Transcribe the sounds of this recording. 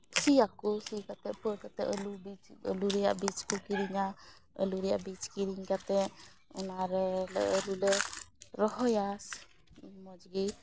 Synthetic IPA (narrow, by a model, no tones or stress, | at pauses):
sijakɔsikat̪ɛʔpəɾkat̪ɛʔəlubit͡ʃə̰luɾɛja̰ʔbit͡ʃkukiɾiŋa | ə̰luɾɛjaʔbit͡ʃkiɾiŋkat̪ɛʔ | unaɾəlulɛɾɔɦɔjas | mɔd͡ʒɡi